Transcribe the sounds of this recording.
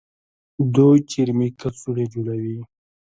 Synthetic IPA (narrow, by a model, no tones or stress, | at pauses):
d̪ot͡ʃiɾmikat͡suɽed͡ʒuɽawi